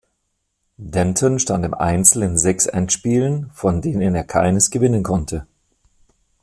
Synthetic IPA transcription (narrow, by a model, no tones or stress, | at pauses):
dɛntʰɔnʃtantɪmʔa̰ɪnt͡sl̩nɪnzɛksʔɛ̰ntʃpiːlənfɔndeːnəneːɐkʰaɪnəsɡ̥əvɪnənkʰɔntʰə